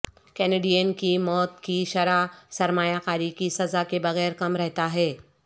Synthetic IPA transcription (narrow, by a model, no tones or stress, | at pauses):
kɛneːɖijənkimɔːt̪kiʃɐɾasɐɾmaːjakaːɾikisɐzakebɐɣɛːɾkɐmɾɛɦt̪aɦɛː